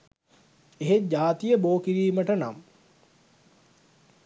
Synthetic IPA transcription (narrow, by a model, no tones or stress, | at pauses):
eɦed͡ʒaːt̪ijəboːkiɾiːməʈəna̰m